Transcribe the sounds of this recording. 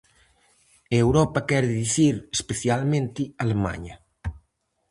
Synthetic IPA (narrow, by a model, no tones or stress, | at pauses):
ewɾɔpɐkɛɾðiθiɾespeθjalmẽnt̪ɪalema̰ɲɐ